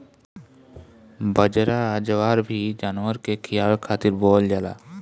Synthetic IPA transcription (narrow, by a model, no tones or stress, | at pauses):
bəd͡ʒɾaəd͡ʒəʋaːɾbʱid͡ʒanʋəɾkekʰɪjaːlkʰaːt̪ɪɾboːld͡ʒala̰ː